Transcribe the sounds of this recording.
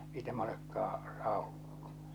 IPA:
ei tæmæ olekːɑː sɑˑokːo

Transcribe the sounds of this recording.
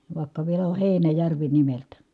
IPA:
ʋɑˑi̯kːɑ ʋielæ o heinæjærʋi nimeltæ

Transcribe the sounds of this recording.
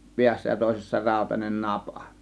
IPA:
piæsːæ jɑ toˑe̝sesːɑ rɑˑo̝tɑnen nɑpɑ̥

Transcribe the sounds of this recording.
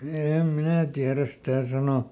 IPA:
eˑm minæ tiæræs sĭtæˑ sɑno

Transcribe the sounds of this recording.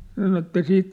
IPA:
sɑno etːæ siːt

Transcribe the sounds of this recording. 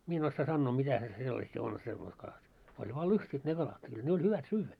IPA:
mie en osːɑː sɑnːoː mitæ se selːɑsi on semːois kɑlɑt olʲ ʋɑː lustʲit ne kɑlɑt kyl ne olʲ hyʋæt syːʋːæ

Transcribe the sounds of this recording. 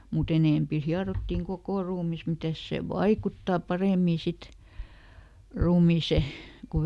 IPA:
mut eneˑmpi hiɑrotːiŋ kokoˑ ruːmis mitæs seˑ ʋɑikutːɑˑ pɑreˑmiˑ sit ruːmiːse ku

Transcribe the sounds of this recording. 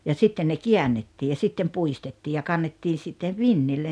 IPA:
jɑ sitːen ne kiænːetːiː jɑ sitːem puistetːiː jɑ kɑnːetːiː sitːeʋ ʋinːilːen̞

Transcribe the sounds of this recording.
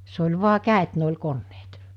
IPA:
se olʲ ʋu̞ɑ kæˑet ne olʲ konːeːt

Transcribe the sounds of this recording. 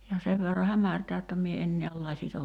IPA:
jɑ seʋ ʋerːɑ hæmærtæː jotːɑ mie en niæl lɑsitɑl

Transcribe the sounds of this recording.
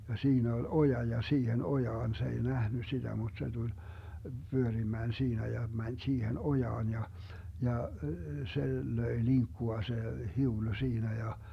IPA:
jɑ siːnæ ol ojɑ jɑ siːhen ojɑːn se ei næhny sid̥æ mud̥ se d̥ul b̥yørimæːn siːnæ jɑ mænʲ siːhen ojɑːn jɑ jɑ se løi liŋkːuɑ se hiulu siːnæ jɑ

